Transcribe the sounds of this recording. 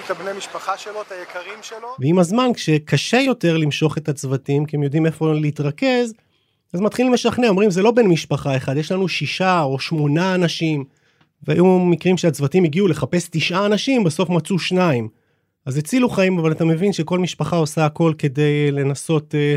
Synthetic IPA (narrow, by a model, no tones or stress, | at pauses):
tabnemiʃpaχaʃelot̪ajekʰaʁimʃeloveimazmankʃe̞kaʃe̞jo̞te̞ʁlimʃo̞χe̞t̪at͡svatimkiemjo̞d̪ime̞fo̞leiːt̪ʁake̞z | azmat̪χilme̞ʃaχneomʁimze̞lo̞be̞nmiʃpaχae̞χad̪jeʃlanuʃiʃao̞ʃmo̞naːnaʃim | vea̰jumikʁimʃeat͡svatimiɡiule̞χape̞st̪iʃʔaːnaʃimbeso̞fmat͡suʃnaim | azet͡siluχaimavalat̪ame̞vinʃe̞ko̞lmiʃpaχao̞saːko̞lke̞de̞jle̞naso̞t